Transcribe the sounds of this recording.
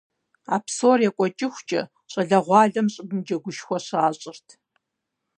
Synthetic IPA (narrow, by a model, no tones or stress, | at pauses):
a̰ːpsoːrjɛkʷʼɔt͡ʃʼɪxʷt͡ʃʼɐ̰ | ɕʼɐɮɐʁʷɑːɮɐmɕʼɪbmd͡ʒɐɡʷʊʃxʷɔɕaːɕʼɪrtʰ